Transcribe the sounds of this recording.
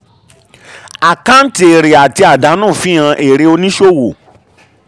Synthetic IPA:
a˨ka˦n̩˦ti˨e˨ɾe˨a˨ti˧a˨da˨˦nũː˦˨fĩ˦ã˧ʔe˨ɾe˧o˧nĩ˦ʃo˦˨wo˨

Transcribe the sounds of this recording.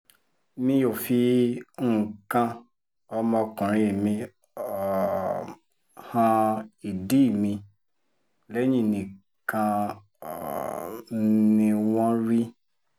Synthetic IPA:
mĩ˧jo˨fi˧˦˨ | kã˧ | ɔ˧mɔ̃˧kũ˨ɾ̃ĩ˧e˨mĩ˧ | ɔ˨ | hã˧i˨di˦˨mĩ˧ | lɛ˦ɲĩ˦˨nĩ˨ | kã˧˨ | nĩ˧w̃ɔ̃˦ɾi˦

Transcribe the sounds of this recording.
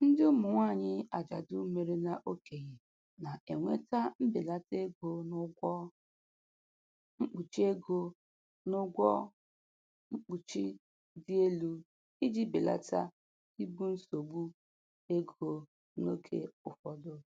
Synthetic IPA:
n̩˦dɪ˦ʊ˦mʊ˨ŋʷa˦˨ɲɪ˦a˨d͡ʒa˨dʊ˦me˨ɾe˦na˨ʔo˦ke˨ɣe˨ | na˨ʔe˨ŋʷe˦ta˦m̩˦be˨la˦te˦ɡo˦nʊ˦ɡʷɔ˦ | ŋ͡m̩˦k͡pu˨t͡ʃi˦e˦ɡo˦ | nʊ˦ɡʷɔ˦ | ŋ͡m̩˦k͡pu˨t͡ʃi˦ | dɪ˦e˦lu˦ | i˦di˦be˨la̰˦ta˦ | i˦bu˦n̩˦so˨bu˦ | e˦ɡo˨ | no˦kʰḛ˦ʊ˨fɔ˨dʊ˦

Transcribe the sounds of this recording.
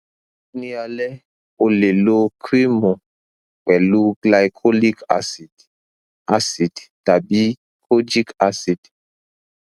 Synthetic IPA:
nĩ˦a˨lɛ˦ | o˨le˨lo˦kʰɾi˦mo˨ | k͡pɛ˨lu˦ɡla˨jkʰɔ˦li˦ka̰˦si˨ | a˦si˨dta˨bi˦ | kʰo˦d͡ʒi˦ka˦si˨d

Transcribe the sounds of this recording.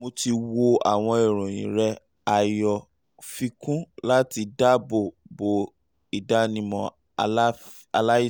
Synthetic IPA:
mo˧ti˧wo˧a̰˦˨w̃ɔ̃˧i˨ɾ̃ũ˨j̃ḭ̃˨ɾɛ˧ | a˨jɔ˨ | fi˧kũ˦la˦ti˧da˦bo˨bo˨ | i˨da˦nĩ˧˦mɔ̃˧˦ | a˧la˦i˦˨

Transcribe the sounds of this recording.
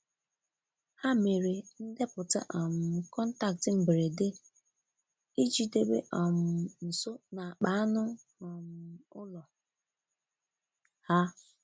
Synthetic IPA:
ha˦me˨ɾe˨n̩˦dɪ˦pʊ˨ta̰˦ʔɔ˨mʊ˨kɔ˦n̩˦ta˦k̚tɪ˨m̩˨bɾe˨de˦ | i˦d͡ʒi˨de˦bḛ˦ʔɔ˨m̩˨n̩˨sʊ˦na˨a˨k͡pa˦nʊ˦ | ɔ˨mʊ˨ʊ˦lɔ˨ | ha˦

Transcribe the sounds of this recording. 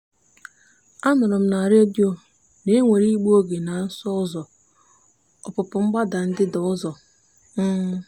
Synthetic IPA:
a˦mʊ˨ɾʊ˨m̩˦na˨ɾe˦di˦o˨ | ne˦ŋʷe˨ɾi˦ɡ͡bu˦o˦ɡe˨na˨˦n̩˦sɔ˦ɔ˦zɔ˨ | ɔ˨pʊ˨pʊ˨ŋ͡m̩˦ɡ͡ba˦da˨n̩˦dɪ˦dɔ˨ɔ˦zɔ˨ | n̩ː˦

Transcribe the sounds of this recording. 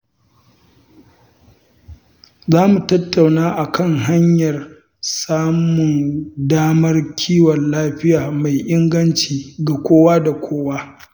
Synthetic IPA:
zaː˦mu˨tɐ˦tːa˨wnaː˦ʔa˨kɐ˦˨ŋɦa˦ɲjɐ˨r | saː˦mʊ˨ndaː˦mɐ˦rkʲʰiː˦wɔ˨nlaː˦ɸɪ˦jaː˨ma˨jʔɪ˦ŋɡɐ˦nt͡ʃiː˨ɡa˨kʷoː˦waː˦da˨kʷʰoː˦waː˦

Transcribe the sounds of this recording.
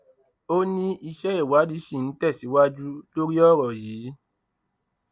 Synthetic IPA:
o˦nĩ˦i˧ʃɛ˦e˦˨wa˨˦di˦ʃĩ˦˨n̩˨˦tɛ˦˨si˨˦wa˦d͡ʒu˦lo˦ɾi˦ɔ˦˨ɾɔ˨jiː˨˦

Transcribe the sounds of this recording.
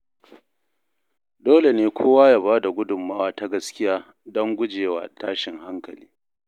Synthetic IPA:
doː˦le˨neː˦kʷʰoː˦waː˦jaː˦˨baː˦da˨ɡʷʊ˦dʊ˨mːaː˦waː˦ta˦ɡɐ˦skʲɪ˦jaː˦ | dɔ˦ŋɡʷʊ˦d͡ʒeː˨wa̰ː˨tʰaː˦ʃɪ˨ŋha˦ŋkɐ˨lḭː˦

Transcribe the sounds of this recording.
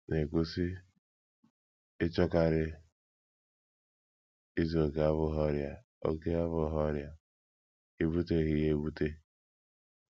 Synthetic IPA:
ne˨ku˦si˦ | ɪ˦t͡ʃɔ˦ka˨ɾɪ˦ | i˦zo˨ke˨a˦βʊ˦ɦɔ˦ɾja˨ | o̰˦ke˦a˦βʊ˦ɦɔ˦ɾja˨ | i˦bu˦te˦ɦɪ˦je˦bu˦te˦

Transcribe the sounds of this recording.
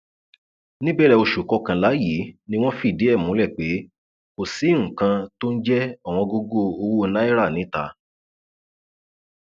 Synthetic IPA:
nĩ˦bɛ˦ɾɛ˧o˧ʃu˨kɔ˧kã˧la˨˦ji˨˦nĩ˦w̃ɔ̃˦fi˦˨de˨˦ɛ˦˨mũ˨˦lɛ˦˨k͡pe˨˦ | o˦˨si˨˦ŋ̩̃˨kã˧to˦n̩˦d͡ʒɛ˦a˦˨w̃ɔ̃˧ɡo˧ɡo˦o˧wu˦˧na˦i˦ɾa˦˨nĩ˨˦ta̰˧˨

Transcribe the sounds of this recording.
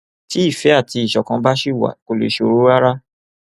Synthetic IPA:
ti˨˦i˦˨fɛ˨˦a˦˨ti˧i˨ʃɔ˨kã˧˦ba˦ʃi˦˨wa̰˨ko˨lḛ˨ʃo˨ɾo˦a˦ɾa˦

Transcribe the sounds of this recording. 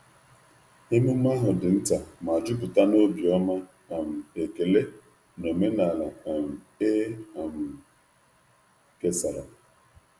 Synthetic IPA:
he˦me˦ma˦ɦʊ˨dɪ˨n̩˦ta˨ma˨d͡ʒʊ˦p̬ʊ˨ta˦no˦bi˨ɔ˦ma˦ | a˨m̩˨e˨ke˨le˦ | no˨me˦na˨la˨a˨m̩˨ | e˦a˨m̩˨ | ke˦sa˨ɾa˨

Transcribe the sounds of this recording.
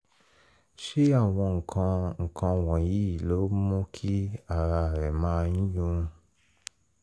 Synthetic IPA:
ʃe˦a˦˨w̃ɔ̃˧ŋ̩˨kʰã˧ŋ̩˨kʰã˧wɔ̃˨ji˨˦˨lo˨˦mõ˦kʰi˦a˨ɾa˧˨ɾɛ˨mãː˦ĩ˦jũ˦˧

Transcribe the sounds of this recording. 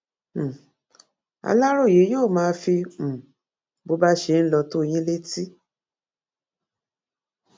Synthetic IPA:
a̰˧la˦ɾo˦˨je˨˦joː˦˨mãː˧˦fĩ˧˨ | bo˧˦ba˦ʃe˧˦n̩˦lɔ˧to˦˧j̃ĩ˦le˦ti˦

